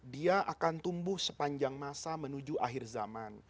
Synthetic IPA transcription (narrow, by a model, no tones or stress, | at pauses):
diaʔakant̪umbʊhsəpaɲd͡ʒaŋmasamənud͡ʒuʔaɦɪrzaman